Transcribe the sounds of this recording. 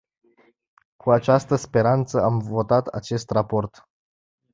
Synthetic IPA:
kʰuat͡ʃast̪əspe̞ɾant̪səamvo̞t̪at̪a̰t͡ʃe̞st̪rapo̞rt̪

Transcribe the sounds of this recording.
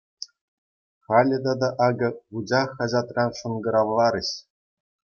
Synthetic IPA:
χɑlʲɘ̆d̪ɑd̪ɑʔɑɡɤ̆ʁud͡ʑɑχɑʑɑt̪rɑnʂɤ̆nɡɤ̆ɾɑʋlˠɑɾɘ̆ɕ

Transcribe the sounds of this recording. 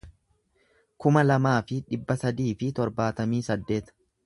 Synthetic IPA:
kʊmɐlɐmaːfɪᶑɪbːɐsɐd̪iːfɪt̪ɔɾbaːt̪ɐmiːsɐd̪ːe̞ːt̪

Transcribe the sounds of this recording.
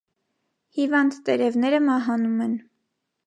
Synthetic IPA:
hivɑnd̪t̪ɛɾɛvnɛɾəmɑɦɑnumɛn

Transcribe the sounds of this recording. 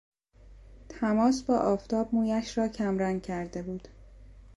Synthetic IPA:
t̪ʰæmɒːsbɒːʔɒːft̪ʰɒːb̚muːjæʃɾɒːcʰæmɾæŋɡcʰæɾd̪e̞buːd̪̥

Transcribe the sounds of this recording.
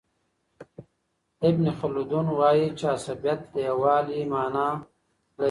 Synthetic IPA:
ɪbnixʊlud̪unwaːjit͡ʃaːsɐbjɐt̪dewaːlimaːnaː | lɐ

